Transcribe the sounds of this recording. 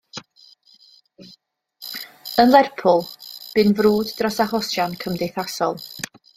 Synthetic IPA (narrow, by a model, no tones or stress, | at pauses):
ənlˠɛrpʰʊlˠb̥ɨnvruːdːrɔsaχɔsjankʰəmdejθasɔlˠ